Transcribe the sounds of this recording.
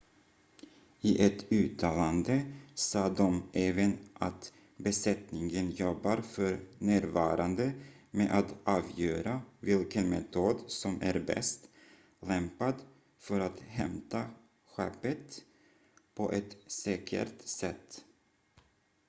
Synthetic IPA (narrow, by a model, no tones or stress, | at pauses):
ɪʔɛt̪ʉ̟ːt̪ʰɑːland̪əsɑːd̪ɔmʔɛːvənʔat̪ | bɛsɛt̪nɪŋənjɔbːaɾfœɾnæːɾvɑːɾand̪əmeːʔat̪ʔɑːvjøːɾavɪlkənmɛt̪ʰuːd̪sɔmæ̰ɾbɛ̰st̪ | lɛmpad̪ | fœɾat̪hɛmt̪a | ɧɛpːət̪ | pʰɔʔɛt̪sɛːkʰə̰ɾt̪sɛt̪ː